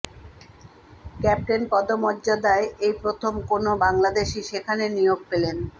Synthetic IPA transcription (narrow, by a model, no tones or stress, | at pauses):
kɛp̚ʈenpɔd̪omɔdːd͡ʑad̪aeejpɾot̪ʰomkonobaŋlad̪eʃiʃekʰanenijoɡ̚pelen